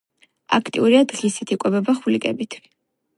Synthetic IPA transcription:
a̰kʰt̪ʼiuɾiad̪ʁisɛt̪ʰikʼwɛbɛbaχulikʼɛbit̪ʰwi

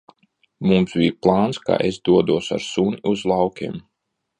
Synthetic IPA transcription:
mumsbʲijplˠɑːnska̰ːʔesd̪uɔd̪uɔsa̰ɾsuniuzlˠɑwkʲḭm

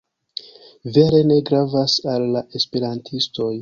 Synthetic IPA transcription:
ve̞ɾe̞ne̞ɡɾavasalːaʔe̞spe̞ɾantʰisto̞j

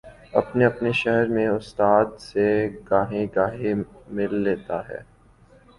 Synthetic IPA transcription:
ɐpneɐpneʃɛɦɛɾmẽʊst̪aːd̪seɡaːɦẽɡaːɦemɪlːeːt̪aɦɛ̰ː

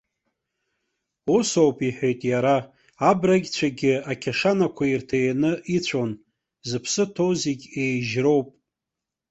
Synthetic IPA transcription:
uso̞wpʼiħʷᶣejtʼjaɾa | abraɡʲt͡ɕʷʰaɡʲɪakʲʰaʂanakʷʰairtʰajnɨʔit͡ɕʷʰon | zɨpʰsɨtʰo̞wziɡʲejʒro̞wpʼ

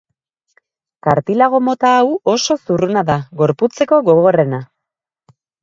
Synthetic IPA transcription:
kaɾt̪ilaɣ̞o̞mo̞t̪aːwo̞so̞surunaðaɣo̞ɾput͡se̞ko̞ɣo̞ɣo̞re̞na

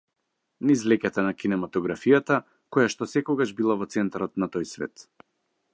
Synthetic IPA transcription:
nizlɛcat̪anakinɛmat̪ɔɡɾafijat̪a | kɔjaʃt̪ɔsɛkɔɡaʒbilˠavɔt̪sɛnt̪aɾɔt̪nat̪ɔjsvɛ̰t̪

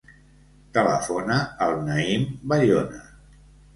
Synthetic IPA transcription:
t̪ələ̰fonaːlˠnaimbaʎona

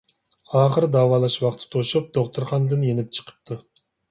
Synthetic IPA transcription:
ɑːχəɾd̪ɑːwɑːlˠɑʃwɑqt̪ʰɨ̥t̪ʰoʃup̚d̪oχt̪ʰuɾχɑnd̪ɨnjenɪp̚t͡ʃʰə̥qʰə̥p̚t̪ʰu

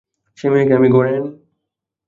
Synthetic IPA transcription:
ʃemiekeamiɡɔɾen

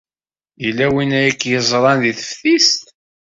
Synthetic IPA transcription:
jəlːæwinæjækːjəzˤɾˤɑnðiθə̥fθist̪

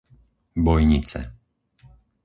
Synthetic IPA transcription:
bɔjɲit͡sɛ̰

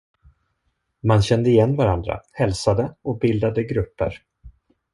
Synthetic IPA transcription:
manɕɛnd̪əɪjɛnːvaɾand̪ɾa̰hɛlsad̪əɔk̚bɪld̪ad̪əɡɾɵpːə̰ɾ

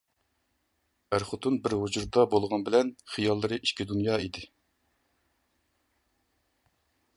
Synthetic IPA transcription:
æɾχʊt̪ʰunbɪɾɦud͡ʒuɾd̪ɑbolˠʁɑnbɪlɛnχijɑlˠːɨɾɨʔiʃkʲid̪unjɑːid̪ɪ

